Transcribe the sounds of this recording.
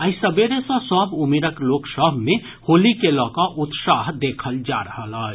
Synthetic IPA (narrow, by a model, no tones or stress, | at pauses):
əjsəbeɾesə̃sɔbumeɾəkloksəbʱme | holikelɔkɔʔut̪saɦd̪ekʰəld͡ʒa̰ɾəɦələt͡ʃ